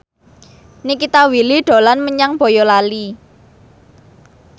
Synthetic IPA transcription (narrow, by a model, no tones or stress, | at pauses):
nikit̪awiliɖ̪̥o̤lanməɲaŋb̥ɔ̤jɔlali